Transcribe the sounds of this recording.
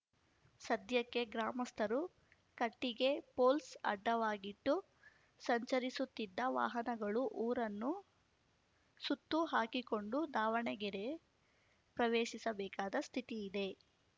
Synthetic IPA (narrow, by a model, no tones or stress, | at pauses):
sɐd̪ʱjɐkːe̞ɡɾaːmɐst̪ʰɐɾu | kɐʈːiɡe̞po̞ːlsɐ̰ɖːɐʋaːɡiʈːu | sɐɲt͡ʃɐɾisut̪ːid̪ːɐʋa̰ːɦɐnɐɡɐɭuʔuːɾɐnːu | sut̪ːuɦaːkiko̞ɳɖud̪aːʋɐɳɛɡɛɾe | pɾɐʋeːʃisɐbɛːkaːd̪ɐst̪ʰit̪iːd̪e̞